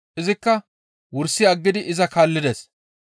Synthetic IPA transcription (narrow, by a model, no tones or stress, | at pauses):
ʔɪzɪkːɐ | wʊɾsːɪɐɡːɪd̪ɪʔɪzɐkaːlːɪd̪es